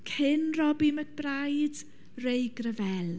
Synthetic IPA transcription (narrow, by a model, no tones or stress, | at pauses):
kʰɪnrɔbimət̚b̥rajd̥ | rejɡrəvɛlˠ